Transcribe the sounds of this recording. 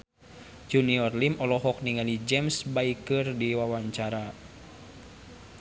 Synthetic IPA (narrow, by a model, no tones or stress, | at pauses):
d͡ʒuniɔrlimɔlɔɦɔk̚niŋalid͡ʒɛmsbaikɨrdiwawaɲt͡ʃaɾa